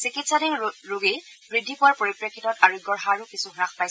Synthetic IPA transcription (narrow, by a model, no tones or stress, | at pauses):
sikitsadiŋɹoɡej | bɹidʱːipʊwaɹpoɹipɹekʰːitɔtaɹuiɡɔɹxaɹukisuɦʊɹaxpajs